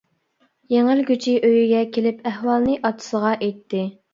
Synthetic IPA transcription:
jeŋɪɾɡʲyt͡ʃʰiʔøjyɡʲɛkʲʰelɪpæhwɑlˠnɨʔɑt̪ʰɨ̥səʁɑʔejt̪ʰːɪ

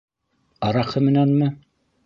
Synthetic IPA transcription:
ɑɾɑχɤmɘ̆nænmɘ

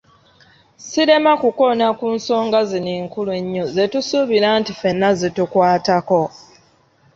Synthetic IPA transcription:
siɾe̞makuko̞nakuːnso̞ːŋɡaziniːŋkulue̞ɲːo̞ze̞tusuβiɾaːntife̞nːazitukwaːtako̞

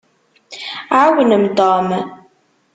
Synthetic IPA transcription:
ʕawənəmt̪ɑːm

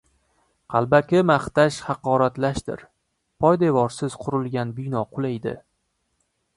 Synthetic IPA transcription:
qʰɑlˠbakʲɪmaχt̪aʃhɑqɒɾat̪laʃt̪ɪ̰ɾ | pʰɒjd̪e̞vɒɾsɪz̥qʰʊɾɪlˠɡʲanbʊjnɒqʰʊlˠajd̪ɪ̰

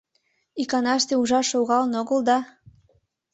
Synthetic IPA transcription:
ikɑnɑʃt̪euʒɑʃoɣɑlnoɣəld̪ɑ

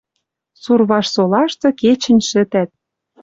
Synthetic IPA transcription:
surβɑʃsolɑʃt̪ɤ̆ket͡ɕə̆nʲʃɘ̆t̪æt̪̚

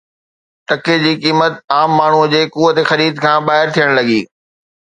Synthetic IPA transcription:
ʈ̪ɐked͡ʑiːkiːmət̪aːmːaːɳ̤ud͡ʑeːkuːʋət̪exɐɾiːd̪kʰãːbaːɦɪɾt̪ʰijəɽ̃lɐɡiː

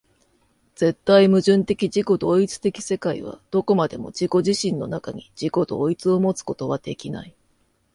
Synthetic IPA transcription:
d͡z̥e̞t̪ːaimɯ̟ʑɨ̃nt̪e̞kʲid͡ʑiko̞d̪o̞ːit͡sɨ̥t̪e̞kʲi̥se̞kaḭβ̞a̰d̪̥o̞ko̞mad̪e̞mo̞̰d͡ʑiko̞ʑiɕĩnːo̞̰nakaɲ̟id͡ʑiko̞d̪o̞̰ːit͡sɨo̞mo̞t͡sɨ̥ko̞̥t̪o̞β̞ad̪̥e̞̰kʲina̰i

